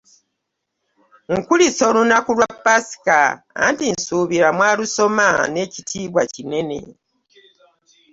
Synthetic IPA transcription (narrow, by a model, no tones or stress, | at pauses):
ŋ̩kuliso̞lunakulwapːasi̥ka | a̰ntinsuːβiɾamwaːluso̞mane̞ːcitʰiːβwacine̞ne̞̰